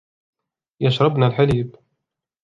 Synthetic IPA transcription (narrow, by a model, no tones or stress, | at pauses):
jaʃɾˤɑbnalħaliːb